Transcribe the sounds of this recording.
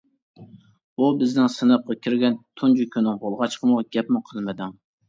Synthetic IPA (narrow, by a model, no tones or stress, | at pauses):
bubɪznɪŋsɨnəp̚qːɑkʲʰiɾɡʲɛnt̪ʰund͡ʒykʲʰynɪŋbolˠʁɑt͡ʃqʰəmʊʁɡʲɛpmɪqʰəlˠmɪd̪ɪŋ